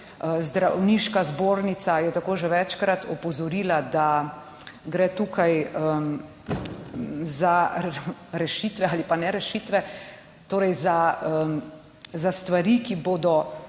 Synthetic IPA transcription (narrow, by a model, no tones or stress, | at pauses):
əzd̪ɾawniːʃkazboːɾnit̪sajɛt̪akoːʒɛʋɛt͡ʃkɾat̪ɔpɔzɔɾiːlad̪a | ɡɾɛːt̪uːkʰajə | za | ɾɛʃiːt̪ʋɛalipanɛɾɛʃit̪ʋɛ | t̪oːɾɛjzaə | zast̪ʋaɾikiboːd̪ɔ